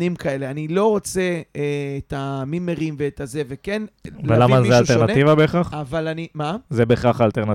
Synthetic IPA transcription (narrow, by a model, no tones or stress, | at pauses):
nimkʰaeleanilo̞ʁot͡se̞eːtamimeʁimveːtʰazevekenvelamazealeʁnat̪ivabeχaχavalanimazebeχaχalt̪eʁna